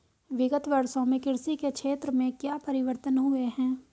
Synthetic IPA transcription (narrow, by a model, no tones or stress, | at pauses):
ʋɪɡət̪ʋɐɾʃõmẽkɪɾsikekʃʰeːt̪ɾəmẽkjaːpɐɾɪʋəɾt̪ənɦʊeɦɛ̃ː